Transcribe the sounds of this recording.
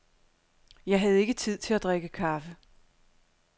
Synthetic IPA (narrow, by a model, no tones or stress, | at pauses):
jɑ̈ɪɦæð̞̩ˠe̝ɡ̥ət͡sʰið̞̰ˠt͡sʰe̝læd̥ʁeɡ̥əkʰɑ̈fə